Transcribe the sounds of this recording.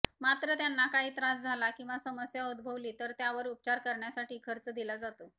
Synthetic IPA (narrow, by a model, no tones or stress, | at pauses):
mat̪ɾət̪janːakaɦiːt̪ɾasd͡zʱalakĩw̃ʋasəməsjaud̪bʱəʋliːt̪əɾt̪jaʋəɾup̚t͡ɕaɾkəɾɳjasaʈiːkʰəɾt͡səd̪ilad͡zat̪o